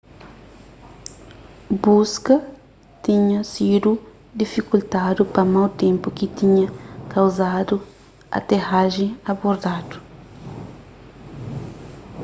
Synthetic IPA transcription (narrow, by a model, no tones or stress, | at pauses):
buskɐ | t̪ĩɲɐsid̪u | d̪ifikult̪ad̪upɐmawt̪ẽmpukit̪ĩɲɐkawzad̪u | ɐ̰t̪ehaʒẽɐboɾd̪ad̪u̥